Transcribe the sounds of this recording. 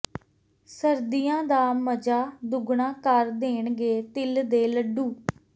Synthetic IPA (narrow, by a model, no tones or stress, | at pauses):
səɾd̪ijãːd̪aːməd͡ʒaːd̪ʊɡɳãːkəɾd̪eːɳɡeːt̪ɪld̪eːləɖuː